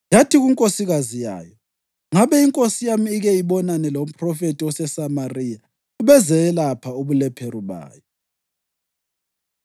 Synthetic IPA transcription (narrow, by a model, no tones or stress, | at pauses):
jatʰiɣuŋkʼosiɣazija̰ːjɔ | ŋaβɛiŋkʼosijamiːɣɛiβɔnanɛlom̩pʰʼrɔfetʼiwɔsɛsamarija | uβɛzɛɛlapʰauβulɛpʰɛruβa̰ːjɔ